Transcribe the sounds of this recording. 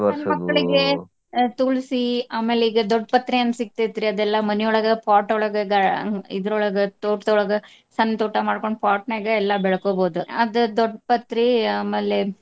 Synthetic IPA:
ɐnmɐkːɐɭiɡe | t̪uɭsiaːme̞ːleiːɡɐd̪ɔɖpɐt̪ɾiɐnːɐsik̚t̪it̪ːiɾiɐd̪ɛlːɐmɐnɛjɔɭɐɡɐpaːʈɔɭɐɡɐɡɐḭd̪ɐɾɔɭɐɡɐt̪oːʈt̪ɔɭɐɡɐ | sɐnːt̪oːʈɐmaːɖ̚koɳpaːʈneːɡɐɛlːɐbɛɭɐkoːboːd̪uɐd̪ud̪ɔɖːpɐt̪ːɾiaːmeːle

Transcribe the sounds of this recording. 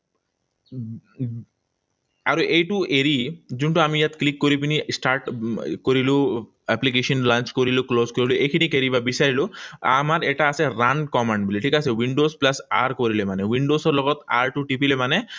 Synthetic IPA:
aɹuʔejʈuʔeɾizunʈuamijat̪klikːoɾipinisʈaɹʈkoɹilʊ̃ | ɛplik̬eʃɔnlant͡ʃkoɹilʊklozkoɹiluʔejkʰinikeɾibabisaɹilʊ̃a̰maɹɛʈaːsɛɹankɔmanɖbiliʈʰikasɛwiɳɖosplasa̰ɹkoɹilɛmanɛwiɳɖosɔɹlɔɡɔt̪a̰ɹʈuʈipilɛmanɛ

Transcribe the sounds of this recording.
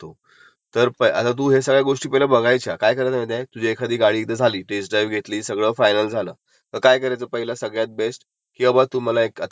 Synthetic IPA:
t̪o | t̪əɾpəə̰t̪at̪̬uːɦesəɡɭjaɡoʂʈiːpəiləbəɡʱajt͡ɕʰakajkəɾat̪əmət̪jãjt̪ud͡ʑʱiekʰad̪ʱiːɡaɽiːt̪əd͡zʱaliːʈɾes̬ɖɾajʋɡʱet̪liːsəɡɭəːfajnəld͡zʱalə̰ː | t̪əɾkajkəɾat͡səːpəɦiləsəɡɭjat̪̚besʈ | kiːəbat̪um̤əlaekət̪

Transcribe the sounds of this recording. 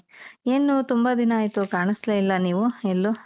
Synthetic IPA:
eːnut̪umbɐd̪inɐaːjit̪ukaːɳisleilːɐniːʋuelːu

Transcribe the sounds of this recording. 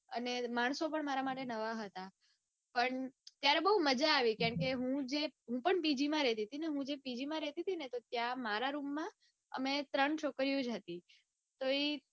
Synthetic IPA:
ə̰nemaɳ̃sopəɳmaɾamaʈenəʋaɦət̪a | pəɳt̪jaɾebəɦuməd͡ʒaːʋikjaɳkeɦũd͡ʒeɦũpəɳpid͡ʒimãɾɛt̪it̪ineɦũd͡ʒepid͡ʒimãɾɛt̪it̪ʰinet̪ot̪jãmaɾaɾumːã | ə̰met̪ɾəɳt͡ʃʰokɾijũd͡ʒɦət̪i | t̪oe

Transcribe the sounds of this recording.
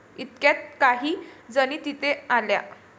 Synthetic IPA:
it̪kjat̪̚kaɦiːd͡zəñiːt̪it̪ealja̰

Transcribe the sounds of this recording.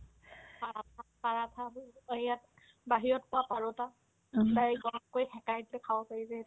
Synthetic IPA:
paatʰapaɹatʰajat | baɦiɹɔtpʊapaɹʊta | tajɡɔɹɔmkojxɛkajtlɛkʰawɔpaizɛ

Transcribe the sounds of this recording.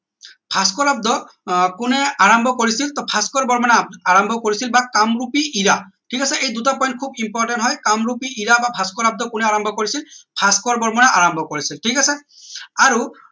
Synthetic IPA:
pʰaskɔlab̚d̪ɔ | kʊnɛaɹɔmbʱɔkoɹisilt̪ɔpʰaskɔɹbɔɹmɔnaaɹambʱɔkoɹisilbakamɹupiʔiɹaʈʰikasɛʔejdutapɔjnt̚kʰubimpɔɹʈɛntɦɔjkamɹupiiɹabapʰaskɔlab̚d̪ɔkʊnɛaɹɔmbʱɔkoɹisilpʰaskɔɹbɔɹmɔnaʔaɹɔmbʱɔkoɹisilʈʰikasɛ | aɹu

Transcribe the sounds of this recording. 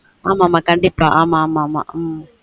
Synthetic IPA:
amamakɐɳɖipaʔamamama̰m

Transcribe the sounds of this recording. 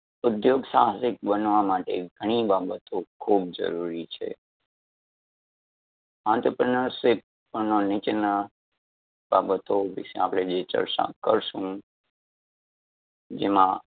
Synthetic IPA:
ʊd̪joɡsaɦsɪk̚bənʋamaʈeɡʱəɽ̃ibabət̪okʰub̚d͡ʒə̰ɾuɾit͡ʃʰḛ | ãnt̪ɾəpɾənəɾsɪp̚ːənonɪt͡ʃnə | babət̪oʋɪ̰ʃeapɽed͡ʒet͡ʃə̰ɾʃa̰kəɾʃũ | d͡ʒemã

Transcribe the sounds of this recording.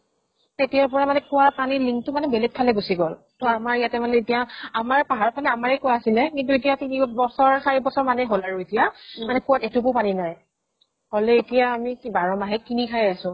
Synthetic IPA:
etijaɹpɔɹamanɛkʊwapaniliŋtʊmanɛbɛlɛt̚kʰalɛɡusiɡɔl | tɔamaɹjatɛmanɛetijaamaɹpaɦaɹɔpʰanɛamaɹɛkɔwaasilɛkintuet̬ijatinibɔsɔɹkʰaɹibɔsɔɹmanɛɦolaɹuetijamanɛkʊwatɛtʊkʊpaninaj | holɛetijaːmikbaɹɔmaɦɛkinikʰajasʊ̃

